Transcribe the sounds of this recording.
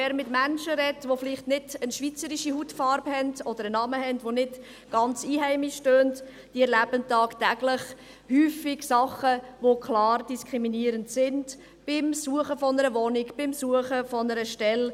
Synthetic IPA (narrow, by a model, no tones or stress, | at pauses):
ɛːɾmɪtmænʃəɾɛtʋofliχtnɪdənʃʋit͡səɾiʃihutfɑɾbhɛndɔd̪əɾənɑməhɛndvonɪd | ɡ̥ɑnt͡siːɦæɪmiʃtøːnt | d̥iɛɾlæbəntɑːktæɡləχ | hyːfiɡsɑχəʋokʰlɑːrd̥iskɾiminiːəɾəntsɪnd | b̥ɪmsuəχəfɔnəɾəvɔnikb̥ɪmsuəχəfɔnəɾəʃtɛl